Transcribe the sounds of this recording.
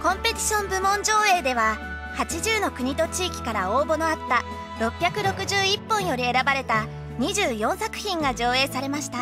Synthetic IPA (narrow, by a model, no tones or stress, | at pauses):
kõ̞mpe̞t̪ʲi̥ɕõ̞mbɯ̟mõ̞ɲ̟d͡ʑo̞ːe̞ːd̪e̞β̞a | hat͡ɕiʑɨːno̞kɯ̟ɲ̟it̪o̞t͡ɕiːkʲi̥kaɾaoːbo̞no̞at̪ːa | ɾo̞pʲjakɯ̟ɾo̞kɯ̟ʑɨːipːõ̞ɰ̃jo̞ɾʲie̞ɾabaɾe̞t̪a | ɲ̟iʑɨːjõ̞ɰ̃sakɯ̟̥çʲĩŋɡad͡ʑo̞ːe̞ːsaɾe̞maɕi̥t̪a